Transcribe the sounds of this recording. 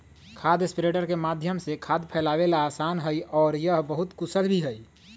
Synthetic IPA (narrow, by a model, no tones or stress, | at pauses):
kʰad̪ẽspiɾeʈəɾkemad̪ʱjəmsekʰad̪pʰɛlawelaːsanɦəjɔːɾjəɦbəɦut̪kusəlbʱiɦəj